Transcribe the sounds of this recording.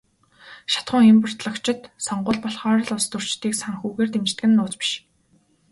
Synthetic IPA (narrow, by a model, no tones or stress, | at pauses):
ʃḁt̪χʊ̆ːŋxempə̆r̥t̪ɮə̆kt͡ɕɪ̆t̪sɔɴɢʊːɮpɔɮχɔːɾ̆ɮʊst̪ɵr̥t͡ɕt̪iːksaŋxuːɣeːrt̪emt͡ɕ̆t̪̚ɡɘ̆nːʊːt͡spi̥ʃ